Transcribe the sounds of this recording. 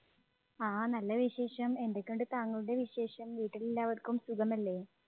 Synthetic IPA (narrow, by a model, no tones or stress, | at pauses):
aːnɐlːɐʋiɕe̞ːʂɐme̞ndekʲːoɳɖɨt̪aːŋːɐɭuɽeʋiɕe̞ːʂɐmʋiːʈːililːaːʋɐðkːumsuɡɐmɐlːe̞ː